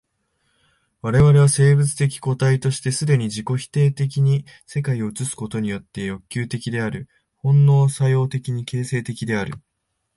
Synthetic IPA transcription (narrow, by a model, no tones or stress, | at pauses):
βaɾe̞βaɾe̞βase̞ːbɯ̟t͡sɨ̥t̪e̞kʲi̥ko̞t̪ait̪o̞ɕi̥t̪e̞sɨd̪e̞ɲ̟iʑiko̞çi̥t̪e̞ːt̪e̞k̬ʲiɲ̟i | se̞kaio̞ɯ̟t͡sɨsɨ̥ko̞t̪o̞ɲ̟ijo̞t̪ːe̞jo̞kʲːɨːt̪e̞kʲid̪e̞aɾɯ̟ | hõ̞nːo̞ːsajo̞ːt̪e̞kʲiɲ̟ike̞ːse̞ːt̪e̞kʲid̪e̞aɾɯ̟̰